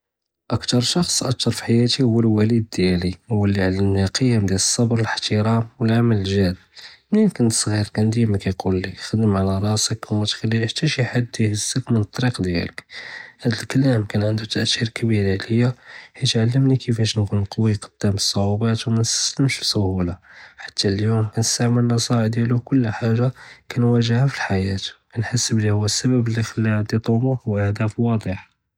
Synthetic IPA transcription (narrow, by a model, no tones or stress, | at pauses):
ʔəkt̪ɑɾˤʃɑxsˤʔək̚t̪ɑɾˤfħajæt̪ihʊwːəlwælid̪d̪jæliwːəlːiʕalːəmniqʰəjəmd̪jæləsˤːɑbɾˤələħt̪əɾɑmwəlʕamæləlʒæl | minkənt̪sˤɣiɾkænd̪imækæjqulːixəd̪əmʕalæɾˤɑsəkwmæt̪xælːiħt̪æʃjħad̪ːihəzsːəkmənət̪ˤːɑɾiqd̪jæ̰ləkhæd̪əlkəlæmkænʕənd̪ut̪æʔt̪ːiɾkbiɾləjːahit̪ʕalːəmnikəfæʃnkunqɑwiqɑ̥d̪̥ːæməsˤːɑʕubæt̪wmænst̪æ̥sləmʃfisʊhulaħḁt̪ʰːæljumkænəst̪aʕməlːɑsˤɑʕd̪jælukʊlːħaʒakænwæʒəhafilħajæt̪ | ænħasːəblihʊwːæsːæbəbləxlːiʕad̪it̪ˤumuwʔəhd̪æfwɑd̪ˤəħ